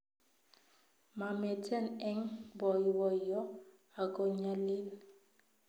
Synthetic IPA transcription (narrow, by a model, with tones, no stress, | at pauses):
ma˨mɛ˨tʰɛ˦nɛ˦ŋbɔ˨i˨bɔ˨i˨jɔ˦ | a˨kʼo˨ɲa˦liː˦la˨